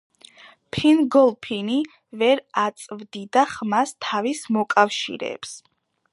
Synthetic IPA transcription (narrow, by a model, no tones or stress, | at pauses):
pʰinɡɔlˠpʰini | vɛɾat̪sʼvd̪id̪aχmast̪ʰavismɔkʼafʃḭɾɛ̰ːps